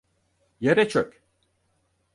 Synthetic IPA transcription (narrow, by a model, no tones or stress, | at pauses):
jeɾɛt͡ʃʰøkʲ